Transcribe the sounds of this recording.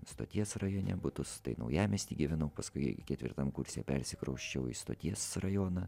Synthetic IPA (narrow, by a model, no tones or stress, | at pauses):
st̪o̰ːt̪ʲiɛsrɐjoːnʲɛ̰bʊt̪ʊst̪ɐɪnɐʊjæːmʲɛsʲt̪ʲiːɡʲɪʋʲɛnɐʊpɐskʊɪkʲɛt̪ʲʋʲɪ̰ɾt̪ɐmkʊɾʲsʲḛːpʲɛɾʲsʲɪkɾɐʊʃʲt͡ʃʲɛʊḭst̪o̰ːt̪ʲiɛsrɐjoːnɐ